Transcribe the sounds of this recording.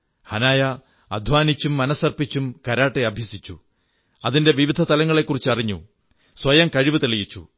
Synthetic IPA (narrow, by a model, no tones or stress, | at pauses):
hɐnaːjɐ | ɐd̪ʱʋaːnit͡ɕːumːɐnɐsɐrpit͡ɕːumkɐɾaːʈːeɐbʱjɐsit͡ɕːṵ | ɐðinde̞ʋiʋid̪ʱɐt̪ɐlɐŋːɐɭe̞kːurit͡ɕːɐriɲːṵ | swɐjɐmkɐɻiʋɨt̪eɭijit͡ɕːṵ